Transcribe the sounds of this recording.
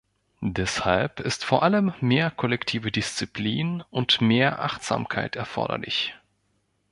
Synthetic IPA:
dɛshalpɪstfoːɐʔaləmːeːɐkʰɔlɛktʰiːvədɪst͡sipʰliːnʊntmeːɐʔa̰χtz̥a̰ːmkʰa̰ɪtɛɐfɔ̰ɐɾɐ̰lɪ̰ç

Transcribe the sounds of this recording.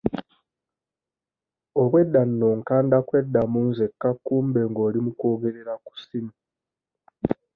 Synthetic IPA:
o̞βwe̞dːanːo̞ŋkaːndakwe̞dːamunzekːakːuːmbe̞ŋɡo̞ːlimuko̞ːɡe̞ɾe̞ɾaku̥simi

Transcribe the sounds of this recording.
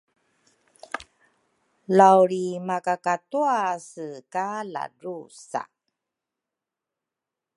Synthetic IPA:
lawɾimakakatuasəkala̰ɾusa̰

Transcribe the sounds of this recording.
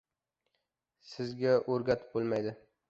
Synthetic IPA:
sɪzɡʲaʔɵɾɡʲat̪bolˠmajd̪ɪ

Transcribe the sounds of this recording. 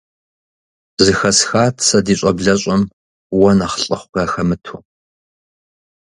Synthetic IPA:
zɨxɐsxaːtʰsɐdiːɕʼɐbɮɐɕʼɐm | wɐnaχɬʼɐχʷʊɡ̥aːxɐmɨtʰʊ

